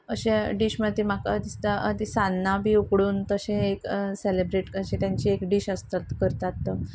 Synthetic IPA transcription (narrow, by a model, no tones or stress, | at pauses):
əɕẽɖiɕməd̪imakad̪ist̪aəd̪isanːabʱiːukɽuːnt̪əɕẽekselebɾeʈəɕẽt̪jaɲt͡ɕiekɖiɕəst̪at̪kəɾt̪at̪ːə